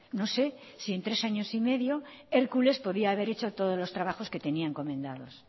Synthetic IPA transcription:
no̞se̞ | sie̞nt̪ɾe̞saɲo̞sime̞ðjo̞e̞ɾkule̞spo̞ðiaːβ̞e̞ɾet͡ʃo̞t̪o̞ð̞ozlo̞st̪ɾaβ̞axo̞ske̞t̪e̞niaŋko̞mẽ̞nd̪aðo̞s

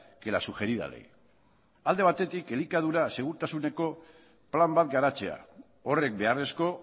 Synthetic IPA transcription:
ke̞la̰suʝe̞ɾiða̰le̞̰j | ald̪e̞β̞at̪e̞t̪ike̞likað̞uɾase̞ɣ̞uɾt̪asune̞ko̞ | plambat̪ɡaɾat͡se̞a̰ | o̞re̞k̚be̞aresko̞

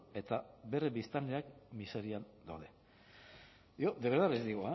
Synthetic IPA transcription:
e̞t̪abe̞rebist̪anleakmise̞ɾiand̪awðe̞ | iod̪eβeɾðaβezd̪iɣoa

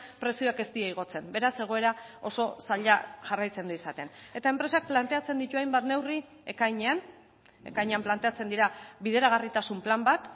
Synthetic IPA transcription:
pɾe̞sioake̞st̪iaiɣ̞o̞t͡se̞mbe̞ɾase̞ɣ̞o̞e̞ɾao̞so̞saʎaʝarajt͡se̞nd̪uisat̪e̞ne̞t̪ae̞mpɾe̞sak̚plant̪e̞at͡se̞nd̪it̪uajmbat̪ne̞wri | e̞kajɲe̞an | e̞̰kajɲeamplant̪e̞at͡se̞nd̪iɾaβiðe̞ɾaɣ̞arit̪asumplambat̪

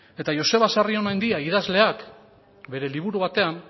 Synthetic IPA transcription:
e̞t̪aʝo̞se̞βasario̞najnd̪iaiðazle̞ak | be̞ɾe̞liβ̞uɾuβat̪e̞am

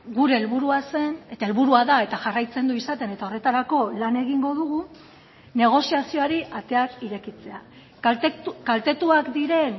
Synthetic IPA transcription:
ɡuɾe̞ːlβuɾuase̞net̪ae̞lβuɾuaðae̞t̪aʝarajt͡se̞nd̪uisat̪e̞ne̞t̪ao̞re̞t̪aɾako̞lane̞ɣiŋɡo̞ðuɣ̞u | ne̞ɣ̞o̞siasio̞aɾiʔat̪e̞akiɾe̞kit͡se̞a | kalt̪e̞t̪uakd̪iɾe̞n

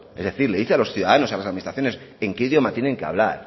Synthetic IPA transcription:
ezðe̞θiɾleiθealo̞sθjuðaðanosalasaðminist̪ɾaθjone̞se̞ŋke̞iðjo̞mat̪jene̞ŋkea̰β̞la̰ɾ

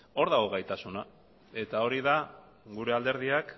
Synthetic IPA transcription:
o̞ɾðaɣoɣajt̪asuna | e̞t̪ao̞ɾiða | ɡuɾe̞ald̪e̞ɾð̞iak

